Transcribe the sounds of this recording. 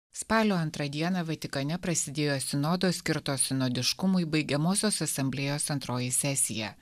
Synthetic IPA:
spɑːlʲoːɐnt̪ɾɐd̪ʲiɛnɐʋɐt̪ʲɪkɐnʲɛpɾɐsʲɪd̪ʲeːjoːsʲɪnoːd̪oːsʲkʲɪɾt̪oːsʲɪnoːd̪ʲɪʃkʊmʊɪbɐɪɡʲɛmoːsʲoːsɐsɐmʲbʲlʲejoːsɐnt̪ɾoːjɪsʲɛsʲɪjɛ̰

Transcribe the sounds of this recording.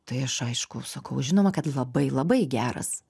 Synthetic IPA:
t̪ɐɪɐʃɐɪʃkʊsɐkɐʊʒʲɪnoːmɐkɐt̪lˠɐbɐɪlˠɐbɐɪɡʲæːɾɐ̰s

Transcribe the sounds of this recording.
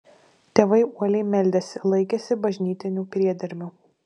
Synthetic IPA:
t̪ʲeːʋɐɪuɔlʲɛɪmʲɛlʲd̪ʲɛsʲɪlˠɐɪkʲɛsʲɪbɐʒʲnʲiːt̪ʲɪnʲuːpʲɾʲiɛd̪ʲɪɾʲmʲu

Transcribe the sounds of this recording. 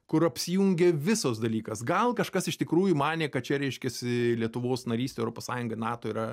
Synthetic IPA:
kʊɾɐpʲsʲɪjuŋʲɡʲeʋʲɪsos̬d̪ɐlʲiːkɐsɡɐlˠkɐʃkɐsɪʃt̪ʲɪkɾuːjʊmɑːnʲeːkɐt̪̚t͡ʃʲɛɾʲɛɪʃʲkʲɛsʲɪlʲiɛt̪ʊʋoːsnɐɾʲiːsʲt̪ʲeːɛʊɾoːpoːsɑːjʊŋɡɐnɑːt̪oːiːɾɐ

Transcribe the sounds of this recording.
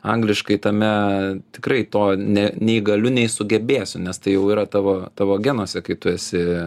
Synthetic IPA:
ɐŋɡlʲɪʃkɐɪt̪ɐmʲɛt̪ʲɪ̥krɐɪt̪oːnʲɛnʲɛɪɡɐlʲʊnʲɛɪsʊɡʲɛbʲeːsʲʊnʲɛst̪ɐɪjɛʊiːɾɐt̪ɑːʋoːt̪ɑːʋoːɡʲɛnoːsʲɛkɐɪt̪ʊɛsʲɪ

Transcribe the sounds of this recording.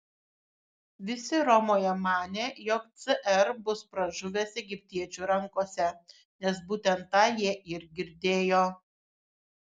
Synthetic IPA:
ʋʲɪsʲɪɾɔmoːjɛmɑːnʲeːjɔkt̪sʲɨʔɛɾbʊspɾɐʒʊʋʲeːsɛɡʲɪpʲt̪ʲiɛt͡ʃʲuːɾɐŋkoːsʲɛ | nʲɛs̬buːt̪ʲɛnt̪ːɑːjiɛʔɪɾɡʲɪɾʲd̪ʲeːjoː

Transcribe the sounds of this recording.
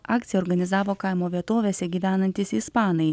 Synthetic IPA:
ɑːk̚t̪sʲɪjɛɔːɾɡɐnʲɪzɑːʋoːkɐɪmoːʋʲiɛt̪oːʋʲeːsʲɛɡʲiːʋʲæːnɐnʲt̪ʲɪsispɑːnɐɪ

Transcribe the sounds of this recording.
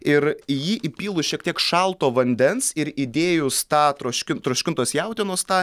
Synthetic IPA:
ɪɾjiːʔɪpʲiːlˠʊʃʲiɛk̚t̪iɛkʃɑlˠt̪oːʋɐnʲd̪ʲɛnsɪɾid̪ʲeːjʊst̪ɑːt̪ɾoːʃʲkʲɪnt̪ɾoːʃʲkʲɪnt̪oːsjɛʊt̪ʲiɛnoːst̪ɑː

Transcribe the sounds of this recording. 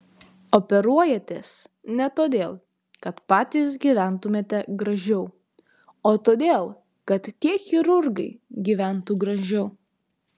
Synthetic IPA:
opʲɛɾuɔjɛt̪ʲes | nʲɛt̪oːd̪ʲeːlˠ | kɐt̪pɑːt̪ʲiːs̬ɡʲiːʋʲæˑnt̪ʊmʲeːt̪ʲɛɡɾɐʒʲɛʊ | oːt̪oːd̪ʲeːlˠ | kɐt̪ːʲiɛxʲɪɾʊɾɡɐɪɡʲiːʋʲæˑnt̪uɡɾɐʒʲɛʊ

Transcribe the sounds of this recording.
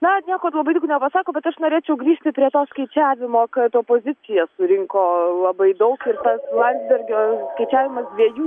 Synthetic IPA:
nɐnʲiɛkoːlˠɐbɐɪd̪ʊknʲɛpɐsɑːkoːbʲɛt̪ɐʃnoːɾʲeːt͡ʃʲɛʊɡɾʲiːʃʲt̪ʲɪpʲɾʲiɛt̪oːskɐɪt͡ʃʲæːʋʲɪmoːkɐt̪oːpoːzʲɪt͡s̪ʲɪjɛsʊɾʲɪŋkoːlˠɐbɐɪd̪ɐʊkɪrt̪ɐslˠɐnʲzʲbʲɛrʲɡʲoːskɐɪt͡ʃʲæːʋʲɪmɐsd̪ʲʋʲiɛjuː

